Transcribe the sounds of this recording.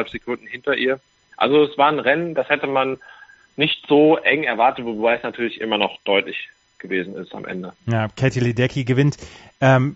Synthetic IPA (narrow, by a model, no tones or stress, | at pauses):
lpz̥ekʰʊndn̩hɪntɐʔiːɐ | ʔa̰lzoɛsv̥aːɐnʁɛnənd̥ashɛtəmanː | ɪçtz̥oːʔɛŋɛɐvaɐtətvobaɪɛsnatʰyːɐlɪçʔɪ̰mɐnɔχd̥ɔʏtlɪç | ɡ̥əveːzn̩ɪ̰sta̰mʔɛ̰ndəjaːkʰɛtilidɛkʰiɡəvɪntʔɛːm